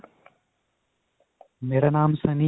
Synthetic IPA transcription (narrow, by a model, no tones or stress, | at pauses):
meːɾaːnaːmsɐ̃ni